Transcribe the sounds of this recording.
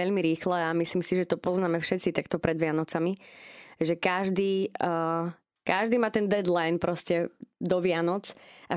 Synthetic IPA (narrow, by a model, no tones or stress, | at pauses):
ɛʎmiɾiːxlɛamisliːmsiʒɛt̪ɔpɔznaːmɛfʃɛt͡sit̪akt̪ɔpɾʔɛd̪ʋɪanɔt͡samiʒɛkaʒd̪iː | kaʒd̪iːmaːt̪ɛnd̪ɛd̪lajnpɾʔɔscɛd̪ɔʋɪanɔt͡sʔa